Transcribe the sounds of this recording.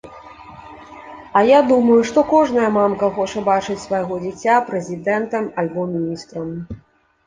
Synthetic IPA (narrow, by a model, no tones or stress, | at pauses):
ɐjad̪umɐjuʂt̪ɔkɔʐnɐjɐmamkɐxɔt͡ʂɐbat͡ʂɨt͡sʲsvɐjɣɔd͡zʲit͡sʲapɾɛzʲid̪ɛnt̪ɐmɐlʲbɔmʲinʲist̪ɾɐm